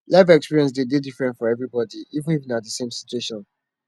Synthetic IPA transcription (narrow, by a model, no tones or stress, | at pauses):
lavɛkspiɹiɛ̃ns̬dededifɹɛ̃ntfɔɹɛvɹibɔdiivə̃niṽnatdəsẽmsit͡ʃueʃɔ̃n